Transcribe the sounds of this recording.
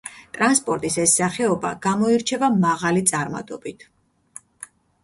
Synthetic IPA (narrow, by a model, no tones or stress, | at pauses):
t̪ʼɾanspʼɔɾt̪ʼisɛsːaχɛɔba̰ɡ̥amɔiɾt͡ʃʰɛvamaʁalit̪sʼaɾma̰t̪ʼɔbit̪ʰ